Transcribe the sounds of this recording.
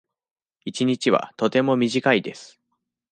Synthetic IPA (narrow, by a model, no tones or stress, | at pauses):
it͡ɕiɲ̟it͡ɕiβa̰t̪o̞t̪e̞mo̞mʲiʑikaid̪e̞sɨ̥